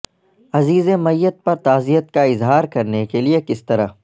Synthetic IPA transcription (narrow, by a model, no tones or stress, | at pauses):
ɐziːzemɐjːət̪̚pɐɾt̪aːzijət̪̚kaɪzɦaːɾkɐɾnekeliekɪst̪ɐɾa